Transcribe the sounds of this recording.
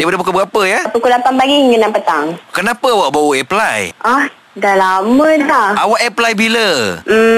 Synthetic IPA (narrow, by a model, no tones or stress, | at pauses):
dajpadapukobəɡapəjapəkulapanpaɡiŋənãpət̪a̰ŋkənapəawaʔbawuʔɛplajʔah | dalaməlaawaʔɛplajbilə